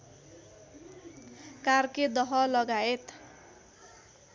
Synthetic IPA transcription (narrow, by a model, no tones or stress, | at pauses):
karked̪ʌɦʌlʌɡaet̪